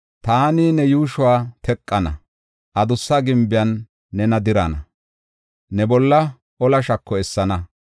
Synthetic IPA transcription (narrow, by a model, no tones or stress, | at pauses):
t̪aːniːnɛjuːʃʊwaːt̪ɛkʼːɐnɐ̰ | ʔɐd̪ʊsːɐɡɪmbɪjɐnː | ɛnɐd̪ɪɾɐ̰nɐ | nɛbɔlːɐ | ʔɔlɐʃɐkːɔɛsːɐnɐ